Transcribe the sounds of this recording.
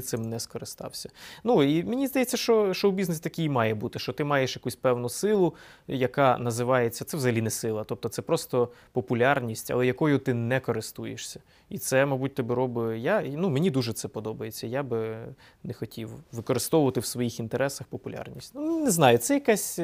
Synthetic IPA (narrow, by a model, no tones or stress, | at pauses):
t̪sɪmnɛskɔɾɪst̪ɑ̰wsʲɐnuimenʲizd̪ɐjet͡sʲːɐʃt͡ʃɔʃt͡ʃɔwbʲiznesʲt̪ɐkʲijmɑjɛbut̪ɪʃt͡ʃɔt̪ɪmɑjeʃjɐkusʲpɛwnʊsɪlˠʊjɐkɑnɐzɪʋɑjet͡sʲːɐt̪sɛwzɐɦɐlʲinɛsɪlˠɐt̪ɔp̚t̪ɔt̪sɛpɾɔst̪ɔpɔpʊlʲarnʲisʲtʲɐ̰lˠɛjɐkɔjʊt̪ɪnɛkɔɾɪst̪ujeʃsʲɐ | it̪sɛmɐbut̚ʲt̪ɛbɪɾɔbɪjanumenʲid̪uʒɛt̪sɛpɔd̪ɔbɐjet͡sʲːɐjabɪ | nexɔtʲiwʋɪkɔɾɪst̪ɔʋʊʋɐt̪ɪwsʋɔjixint̪eɾɛsɐxpɔpʊlʲʔa̰rnʲisʲtʲnumneznɑjʊt̪sɛjɐkasʲ